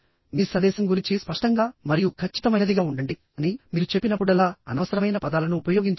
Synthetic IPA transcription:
miːsɐd̪ɛːsɐmɡuɾiɲt͡ʃispɐʂʈɐŋɡaːmɐɾijukʰɐt͡ʃːi̥t̪ɐmɐjnɐd̪iɡaːuɳɖɐɳɖi | ɐnimiːɾut͡ʃe̞pːinɐpːuɽɐlaːɐnɐʋɐsɐɾɐmɐjnɐpɐd̪aːlɐnuupɐjo̞ːɡiɲt͡ʃ

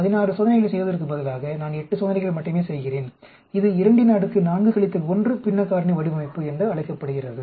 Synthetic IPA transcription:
ɐðɪnaːrɯsɔːðɐnɛɪɣɐɭsɛjʋɐðɪɾɯk̬ːɯmpɐðɐlaːɣɐnaːnɛʈːɯsɔðɐnɛɪɣɐɭmɐʈːɯmeːsɛjɣɪreːn | ɪðɯɪɾɐɳɖɯnaːɽɯkːɯnaːnɡɯkɐɭɪt̪ːɐlɔndrɯpɪnːɐkːaːɾɳiʋɐɽɪʋɐmɐɪpːɯɛndrɯɐɭɐɪkːɐpːɐɽɯɣɪrɐðɯ

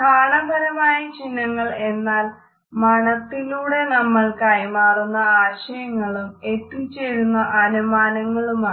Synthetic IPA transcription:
kʰaːlɐmbʱɐɾɐmaːjɐt͡ɕinːɐŋːɐɭe̞nːaːl | mɐɳɐt̪ːiluːɽe̞nɐmːɐɭkɐjmaːrunːɐaːɕɐjɐŋːɐɭumetːumt͡ɕeːɻunːɐʔɐnumaːnɐŋːɐɭumaː

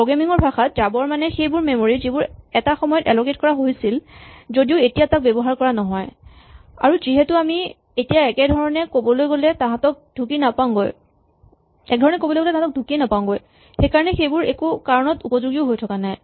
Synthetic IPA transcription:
pɹoɡɹamiŋɔɹbʱaxatzabɔɹmanɛxejbʊɹmemoɹizibʊɹɛtaxɔmɔjɔtɛlɔket̚kɔɹaɦojsilzodiʊetijatak̚bɛbɔɦaɹkɔɹanɔɦɔj | a̰ɹuziɦɛtʊami | etijaɛkɛdʱɔɹɔnɛkobɔlojɡolɛtaɦãtɔk̚dʱukinapãɡoj | ɛ̰k̚dʱɔɹɔnɛkobɔlojɡɔlɛtaɦatɔk̚dʱukinapaʊ̃ɡoj | xejkaɹɔnɛxejbʊɹekukaɹɔnɔtupɔzuɡiʊɦojtʰɔkanaj

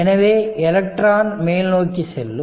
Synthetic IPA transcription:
ɛnɐʋeːɛlɐk̚ʈɾaːnmeːlnoːkːiselːu

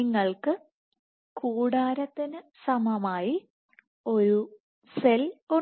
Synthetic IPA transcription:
iŋːɐɭkɨ | kuːɽaːɾɐt̪ːinɨsɐmɐmaːji | o̞ɾu | selu

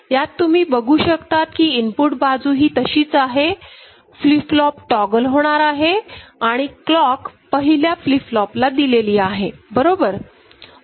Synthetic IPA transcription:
jat̪ːum̤iːbəɡuːɕəkt̪at̪kiːinpuʈbad͡zuːɦiːt̪əɕiːt͡saɦe | fliflɔpʈɔɡəlɦoɽ̃aɾaɦeaɽ̃iklɔkpəɦiljafliflɔplad̪ileliːaɦebəɾobəɾ

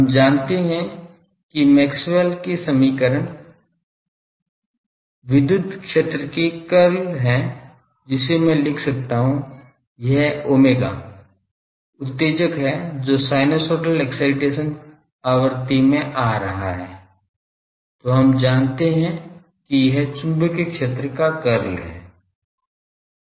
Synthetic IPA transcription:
ɦɐmd͡ʒaːnt̪eɦɛ̃ | kimɛːkswɛlkesɐmiːkəɾən | ʋɪd̪jʊd̪ʱkʃeːt̪ɾəkekɐɾlɦɛ | d͡ʒɪsemɛ̃lɪkʰsɐk̚t̪aɦũ | jɛɦoːmeːɡa̰ː | ʊt̪ːeːd͡ʒəkɦɛd͡ʒoːsaːɪnosoːʈəlɛksaːɪʈeːʃən | aːwəɾt̪imẽʔaːɾɐɦaɦɛ̰ː | t̪oːɦɐmd͡ʒaːnt̪eɦɛ̃ | kijɐɦt͡ʃʊ̃mbəkekʃeːt̪ɾəkakɐɾlɦɛ̰ː

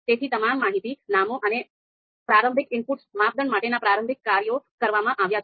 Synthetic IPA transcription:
t̪et̪ʰit̪əmamːaɦit̪inamoʔəne | pɾaɾəmbʱɪkɪmpuʈsmap̚d̪ʱənmaʈenapɾaɾəmbʱɪkːaɾjokəɾʋamãʔaʋjat͡ʃ

